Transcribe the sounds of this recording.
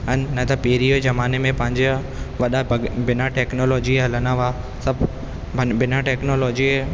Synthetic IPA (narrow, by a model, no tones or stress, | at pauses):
ɦɐnnɐt̪ɐpeːɾijozɐmaːnemẽpɐ̃ɦɪ̃ɲd͡ʑe | ʋɐɗabɪnaʈeːknoːloːd͡ʑiɦɐlənaʋaː | sɐbʱ | bɪnaʈeːknoːloːd͡ʑi